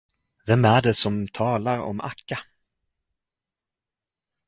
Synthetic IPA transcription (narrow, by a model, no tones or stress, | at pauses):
vɛmæɖɛsɔmt̪ʰɑːlaɾɔ̰mʔa̰kːa